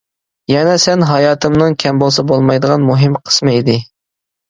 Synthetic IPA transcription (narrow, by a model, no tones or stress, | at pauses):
jɛnɛsɛnɦɑjɑːt̪ʰɨmnɨŋkʲʰɛmbolˠsɑbolˠmɑjd̪əʁɑnmuɦɨmqʰə̥smɨid̪ɪ